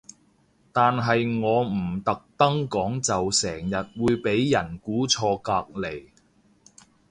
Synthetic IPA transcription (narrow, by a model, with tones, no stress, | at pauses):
t̪aː˨nɦɐ˨jŋɔː˨˧m̩˨˩t̪ɐ˨k̚t̪ɐ˥ŋkɔː˨˥ŋt͡sɐ˨wsɛː˨˩ŋjɐ˨t̚wuː˨˧jpe˨˥jːɐ˨˩nkuː˨˥t͡sʰɔː˧kaː˧k̚le˨˩j